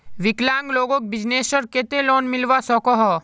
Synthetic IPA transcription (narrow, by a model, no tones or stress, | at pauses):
ʋɪklãːŋɡloːɡõk̚bɪd͡ʒneːsəɾket̪elɔːnmɪlʋasɔkɔɦɔ